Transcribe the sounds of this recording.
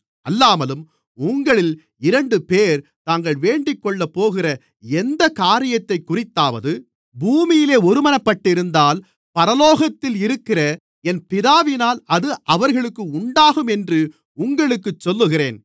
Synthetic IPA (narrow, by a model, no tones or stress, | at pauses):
ʔɐlːaːmɐlɯm | ʊŋɡɐɭɪl | ɪɾɐɳɖɯpeːɾt̪aːŋɡɐɭʋeːɳɖɪkːɔɭːɐpːoːɣɪrɐ | ɛnd̪ɐkaːɾɪjɐt̪ːɐɪkːʊrɪt̪ːaːʋɐðɯ | buːmɪjɪleːɔɾɯmɐnɐpːɐʈːɪɾɯnd̪aːl | pɐɾɐloːɣɐt̪ːɪlɪɾɯkːɪrɐ | ɛnpɪðaːʋɪnaːlɐðɯʔɐʋɐɾɣɐɭɯkːɯʊɳɖaːɣɯmɛndrɯ | ʊŋɡɐɭɯkːɯt͡ʃːɔlːɯɣɪrḛːn